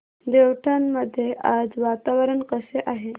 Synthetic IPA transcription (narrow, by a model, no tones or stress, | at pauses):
d̪eʋʈʰanːəd̪ʱːjeʔad͡zʋat̪aʋəɾəɳkəseʔaɦe